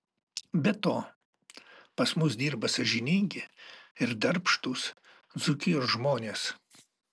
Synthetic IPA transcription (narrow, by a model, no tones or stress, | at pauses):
bʲɛt̪oː | pɐsmʊs̬d̪ʲiːɾbɐsɐʒʲɪnʲɪŋʲɡʲɪɪɾd̪ɐɾpʃt̪ʊs | d̪zʊkʲɪjoːʒmoːnʲeːs